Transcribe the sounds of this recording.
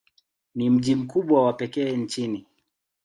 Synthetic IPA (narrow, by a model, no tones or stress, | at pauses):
nim̩ʄim̩kuɓwawapɛkɛːnt͡ʃini